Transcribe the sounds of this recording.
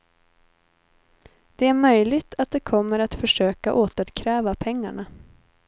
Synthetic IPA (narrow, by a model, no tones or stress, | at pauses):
d̪̥ɛæɾmœjlɪɡt̪ʰat̪̚d̪ɛkʰɔmːəɾat̪fœʂøːkaʔoːt̪əɾkʰɾɛːvapʰɛŋːa̰ɳa